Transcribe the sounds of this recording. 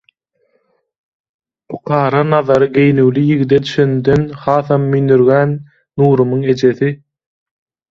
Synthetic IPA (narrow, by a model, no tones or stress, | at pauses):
pʰu̥qʰɑːɾɑnɑðɑɾɯɡe̞jnywlyjiɣid̪ed̪yʃønd̪ønχɑːθɑmːynyɾɣæːnː | uːɾumuŋe̞d͡ʒe̞θi